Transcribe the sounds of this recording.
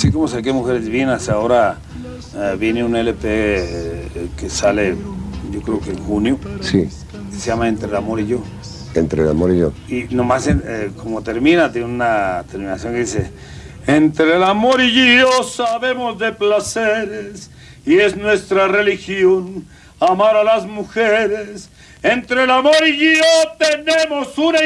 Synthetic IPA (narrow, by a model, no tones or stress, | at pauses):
asiko̞mosak̬emuxe̞ɾezβjenaseao̞ɾa | βje̞neunelepe | kesaleɟ͡ʝo̞kɾeokeŋxunjosi | keseʝamae̞nt̪ɾelamo̞ɾiʝo̞ | ḛnt̪ɾela̰moɾiʝo | inomasenekʰo̞mo̞t̪e̞ɾmĩnat̪jeneunat̪eɾmĩna̰sjo̞ŋkeðisḛ | ent̪ɾelamo̞ɾiʝiosaβe̞mo̞zðe̞plaseɾes | ie̞znwe̞st̪ɾarelixjo̞n | amaɾalazmuxeɾes | ent̪ɾelamoɾiʝot̪enemosuna